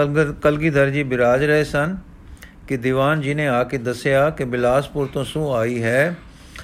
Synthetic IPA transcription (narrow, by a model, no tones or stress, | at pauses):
kəlɡiːd̪əɾd͡ʒiːbɪɾaːd͡ʒɾəɦeːsən | kɪd̪iːʋaːnd͡ʒɪnẽːaːked̪əsɪjaːkɪbɪlaːspʊɾt̪õːsũːaːiːɦɛː